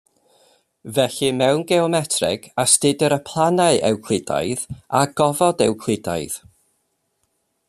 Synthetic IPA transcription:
vɛɬɨmɛwnɡɛɔmɛtʰrɪ̰ɡ̥astɪdəɾəpʰlˠanaɨʔɛ̰wkʰl̥ˠɪda̰jðaɡ̥ɔvɔdɛwkʰlˠɪda̰jð̥

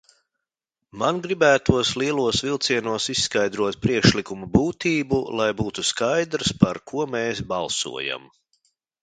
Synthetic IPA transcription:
manɡɾibæːt̪uɔslˠiɛlˠuɔsvilˠt̪siɛnuɔsissːkajd̪ɾuɔt̪̚pɾiɛkʃlikumubuːt̪iːbulˠajbuːt̪uskajd̪ɾspaɾkʰuɔmɛeːsbalˠsṵɔja̰m

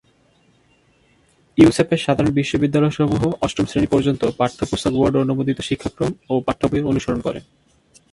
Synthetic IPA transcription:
jusepeɾʃad̪ʱaɾonbiʃːobid̪ːalɔoʃɔmuɦoʔɔstɾomsɾenipɔɾd͡ʑont̪opaɾt̪ʰːopust̪akwaɾɖoɾonobod̪it̪oʃikʰːakɾomopaʈt̪ʰopooonuʃoɾonkɔɾḛn

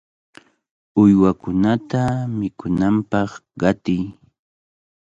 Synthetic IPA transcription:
ʊjwakʊnat̪amɪkʊnampɑχɢɑt̪ɪj

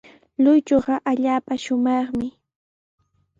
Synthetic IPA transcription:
lʊjt͡ʃoɢɑʔaʎaːpaʃʊmɑχmɪ

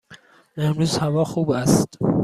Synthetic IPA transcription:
ehmɾuːzhævɒːxuːbæst̪

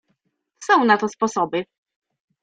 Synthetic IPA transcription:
sɔ̃w̃nat̪ɔspɔsɔbɘ

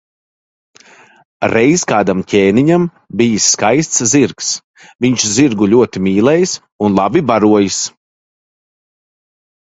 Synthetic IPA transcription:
ɾɛjskaːd̪amcʰʲɛːniɲam | bijisːkajst̪sziɾks | viɲt͡ʃziɾɡuʎʲuɔt̪imʲiːlˠɛjs | unlˠabibaɾuɔjis

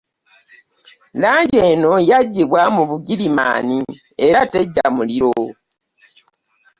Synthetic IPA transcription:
laːɲɟe̞no̞jaɟːiβwamuβuɡilima̰ːni | eɾate̞ɟːamuliɾo

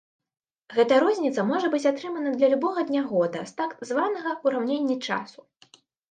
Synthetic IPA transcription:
ɣɛt̪ɐɾɔzʲnʲit̪sɐmɔʐɐbɨt͡sʲat̪ɾɨmɐnɐd̪lʲɐlʲubɔɣɐd̪nʲaɣɔd̪ɐ̰st̪akzvanɐɣɐuɾawnʲenʲːit͡ʂa̰su̥

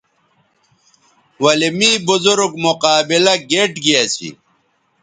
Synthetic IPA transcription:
wɐlimiːbuzuɾuɡmuqaːbilɐɡeːʈɡijɐsḭ

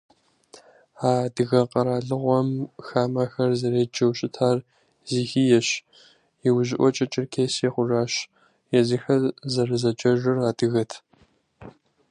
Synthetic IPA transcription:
aːdɨɣɐqʼɐɾaːɮɨʁʷɔmxaːmɐxɐrzɐɾeːd͡ʒɐwɕʼɪtʰaːr | ziːxiːjɛɕ | jiwʑɪʔʷɔt͡ʃʼɐt͡ʃʼɪrkʰeːseːχʷʊʒaːɕ | jɛziːxɐrzɐrɨzɐt͡ʃʼɐʒɨraːdɨɣɐtʰ

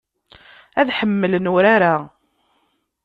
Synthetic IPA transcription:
æðħəmːələnʊɾaɾa

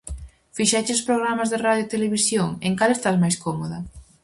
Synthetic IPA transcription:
fiʃɛt͡ʃɪʊspɾoɣɾamazðeraðjoit̪eleβisjoŋeŋkalest̪azmajskomoðɐ

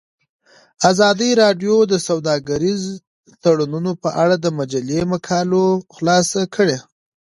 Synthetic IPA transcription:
azɑd̪iɾɑɖjod̪əsawd̪ɑɡaɾiz | t̪aɽununopəʔaɽad̪əmad͡ʒalemakʰɑloxlɑsakʰəɽe

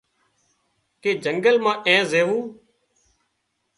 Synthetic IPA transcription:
keːd͡ʒəŋɡəlmãːʔẽːzeːʋũː

